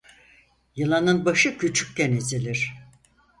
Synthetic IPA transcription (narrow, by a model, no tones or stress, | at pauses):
jɯlˠanɯnbaʃɯcʰyt͡ʃʰy̥k̚ʲcenesid̪iɾ̥